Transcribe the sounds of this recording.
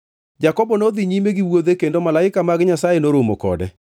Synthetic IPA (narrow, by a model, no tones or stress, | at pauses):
d͡ʒakɔbɔnoðiɲimeɡiwoðekendomalaɪkamaɡɪɲasajenoɾomokɔ̰dɛ̰